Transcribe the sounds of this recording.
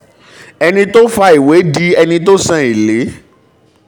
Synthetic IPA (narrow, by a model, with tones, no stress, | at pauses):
ɛ˧nĩ˧to˦fa˧i˨we˨˦di˦ɛ˧nĩ˧to˦sã˦˨i˨le˨˦